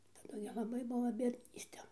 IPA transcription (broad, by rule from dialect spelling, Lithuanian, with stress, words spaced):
tɐˈdʊ ɡʲɪ lˠɐˈbɐɪ ˈbuɔ bʲiɛdʲˈnʲiːsʲtʲɛ